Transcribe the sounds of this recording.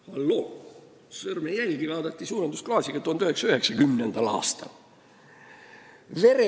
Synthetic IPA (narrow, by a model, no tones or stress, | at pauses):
hɑlːo | sørmejælʲkilɑːd̪ɑt̪ːisuːnɑnt̪usklɑːsikɑt̪uont̪yheksɑyheksɑkymnend̪̥ælɑ̰ːst̪ɑ | ʋere